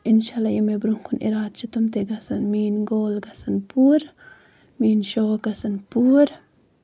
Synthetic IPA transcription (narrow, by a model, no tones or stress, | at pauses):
inʃalajimebɾuŋkʰunḭɾaːd̪̚t͡ʃʰit̪umt̪eɡɐsɐnmiːnɡoːlɡɐsɐnpuːɾ | miːnʃoːkɐsɐnpuɾ